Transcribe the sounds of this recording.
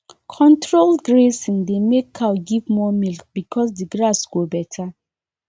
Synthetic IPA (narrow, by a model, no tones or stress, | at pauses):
kʰɔ̃ntɹoldɡɹesĩŋdemekʰːaʊɡivmɔmilk̚b̥ikʰɔs̬diɡɹasɡ̥obɛtʰa